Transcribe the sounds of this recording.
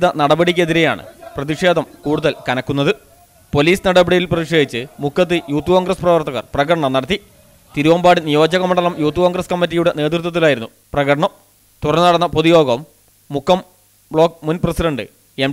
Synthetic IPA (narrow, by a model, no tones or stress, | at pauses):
iðɐnɐɽɐbɐɽik̬ʲːeðiɾeja̰ːɳɨ̰prɐðiʂe̞ːd̪ɐmkuːɽuðɐlkɐnɐkːunːɐðɨ | po̞liːsnɐɽɐbiɽijilprɐðikʂeːd̪it͡ɕːɨmukʰːɐt̪ːɨjuːt̪ːukoːŋɡrɐsprɐʋɐrt̪ːɐɣɐ̰rprɐɣɐɽɐɳɐmnɐɽɐt̪̬ːi | t̪iɾuʋɐmbaːɽinijo̞ːd͡ʑɐɣɐmɐɳɖɐlɐmjuːt̪ːukoːŋɡrɐskɐmːit̬ːijuɽe̞ne̞ːt̪rut̪ːɐt̪ːilaːjiɾunːu | prɐɣɐɽɐɳɐm | t̪urɐnɨnɐɽɐnːɐpoðijo̞ːɡɐmː | ukʰːɐm | bɭo̞ːk̚munprɐsiɖɐɳɖɨ̰ | em